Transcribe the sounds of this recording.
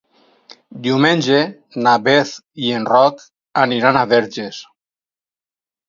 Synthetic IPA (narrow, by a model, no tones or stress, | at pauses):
d̪iumẽnʲd͡ʒe | naβeθienrɔk | aniɾanaβɛɾʒes